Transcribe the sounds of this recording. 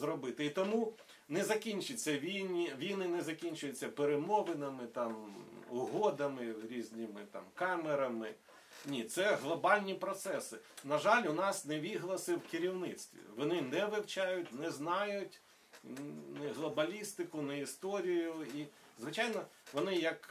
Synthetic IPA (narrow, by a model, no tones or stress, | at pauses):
zɾɔbɪt̪ɪit̪ɔmu | nɛzɐkʲinʲt͡ʃɪt͡sʲːɐʋʲinʲiʋʲijnɪnɛzɐkʲinʲt͡ʃʊjʊt͡sʲːɐpeɾemɔʋɪnɐmɪt̪ɑmʊɦɔd̪ɐmɪɾʲizʲnʲɪmɪ̰t̪ɑ̰mkɑmeɾɐmɪ | nʲit̪sɛɦlˠɔbɑlʲnʲipɾɔt̪sɛsɪnɐʒɑlʲʊnɑsnɛʋʲiɦlˠɐsɪwkɪɾʲiwnɪt̪st̪ʋʲḭʋɔnɪnɛʋɪwt͡ʃɑjʊtʲnɛznɑjʊtʲ | nɛɦlˠɔbɐlʲist̪ɪkʊnɐist̪ɔɾʲijʊi | zʋɪt͡ʃajnɔʋɔnɪjɐk